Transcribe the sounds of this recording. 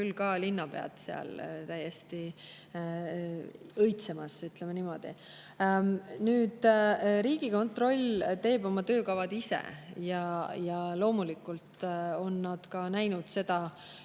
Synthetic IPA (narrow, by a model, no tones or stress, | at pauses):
kylkɑlinːɑpe̞̰ɑ̰t̪seɑ̰lt̪æjːest̪i | ɤjt̪semɑsyt̪lemenimo̞d̪̥ḭ | nyːd̪̥ɾiːɡ̥iko̞nt̪ro̞lʲt̪e̞ːbo̞mɑt̪ø̞ːkɑvɑd̪̥ise̞̰jɑjɑlo̞ːmulikult̪o̞nːɑd̪̥kɑnæjnud̪̥se̞d̪̥ɑ